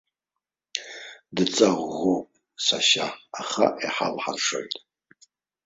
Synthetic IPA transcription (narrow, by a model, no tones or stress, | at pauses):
dɨt͡sʼaʁʷːowpʼ | saʃaaχa̰ʔiħa̰lħarʂojtʼ